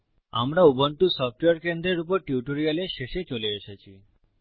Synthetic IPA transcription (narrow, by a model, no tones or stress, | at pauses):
a̰mɾaubəɳʈusɔfʈʋeəɾkend̪ɾeɾup̬ɔɾʈjuʈoɾijaleʃeʃet͡ʃoleeʃet͡ʃʰi